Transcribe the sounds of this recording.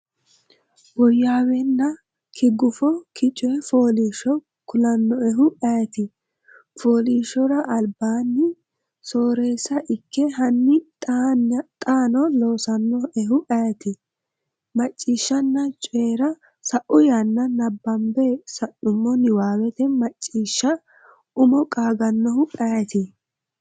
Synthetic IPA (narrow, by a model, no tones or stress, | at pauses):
bɔjːaːwɛnːɐ | kʰɪɡʊfɔkʰɪt͡ʃʼɛfoːliːʃɔ | kʊlɐnːɔɛɦʊʔɐt̪ɪ | foːliːʃːɔɾɐʔɐlbaːnːɪ | soːɾeːsɐʔɪkːɛɦɐnːɪt̪ʼːnt̪ʼaːnɔlo̞ːsɐnːɔɛɦʊʔɐjt̪ɪ | mɐt͡ʃʼːiːʃːɐnːɐt͡ʃʼeːɾɐ | sɐʔʊjanːɐnɐbːɐmbesɐʔʊmːɔnɪwaːwɛt̪ɛmɐt͡ʃʼːiːʃːɐ | ʊmɔkʼaːɡɐnːɔhʊʔajt̪ɪ